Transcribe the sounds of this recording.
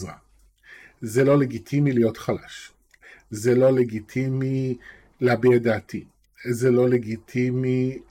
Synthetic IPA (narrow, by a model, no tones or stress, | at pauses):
zʁa̰ | zelo̞leɡit̪ʰimilijo̞t̪χala̰ʃ | zelo̞leɡit̪ʰimi | lehabejad̪aːt̪ʰi | zelo̞leɡit̪ʰimi